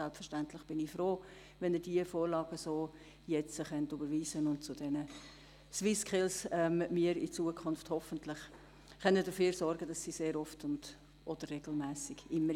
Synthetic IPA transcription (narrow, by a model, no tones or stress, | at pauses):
sɛlpfəʃtæntlɪχb̥ɪnɪfɾoː | vɛnədiəfoːɾlɑːɡ̥əsoː | jɛt͡səχœntybəɾʋiːzənʊntt͡sʊd̥ɛnə | swɪskʰɪlsɛmmiːɾit͡suəkʰʊnfthɔfəntlɪχ | χœnəd̥əfyːɾsɔɾɡədɑsːiseːɾɔftʊnd̥ | ʔɔd̥ərːɛɡl̩mɛːsɪɡ̥ɪmːə